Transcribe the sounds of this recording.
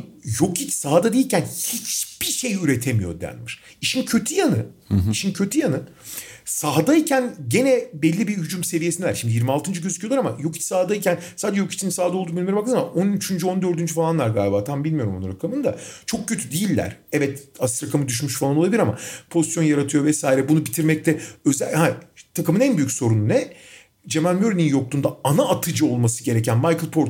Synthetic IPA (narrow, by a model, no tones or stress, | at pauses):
jo̞kʰit͡ʃsaɦad̪ad̪ejilʲcʰænhit͡ʃb̥iʃe̞jyɾet̪ʰe̞mijo̞̰d̪æ̰nmiɾ̥ | iʃincʰø̞t̪ʰyjanɯiʃincʰø̞t̪ʰyjanɯ | saɦd̪aicʰænɟe̞nɛbɛlʲːibihyd͡ʒumse̞vijesind̪ɛlæɾʃimd̪ijiɾmialˠt̪ɯnd͡ʒɯɟø̞zycʰyjolˠaɾama̰jo̞kʰi̥t͡ʃsaɦad̪ajicʰʲænsaːd͡ʒɛjo̞ki̥t͡ʃʰinisaːd̪alˠd̪uːmbilʲmjoɾmbakɯɯmamaʔonyt͡ʃʰynd͡ʒyo̞nd̪ø̞ɾd̪ynd͡ʒyfalˠanlˠaɾɡaːlʲbaːt̪ʰanbilʲmijo̞ɾumunɾakʰamɯnd̪a̰t͡ʃʰo̞k̚cʰø̞t̪ʰyd̪ejilʲːæ̰ɾ̥ɛvɛt̪ast̪ɾakʰamɯd̪yʃ̬myʃfalˠanolˠabilʲiɾama̰pʰo̞zisjo̞njaɾat̪ʰɯjo̞vɛsaːiɾɛbunubit̪ʰiɾmɛc̚t̪ʰɛø̞zæhat̪ʰakɯmɯnænbyjycso̞ɾununɛ | d͡ʒe̞mælʲmøɾnʲinjo̞k̚t̪uːnd̪aanaːt̪ʰɯd͡ʒɯo̞lˠmasɯɟe̞ɾecʰænmajkɯlˠpʰo̞ɾt̪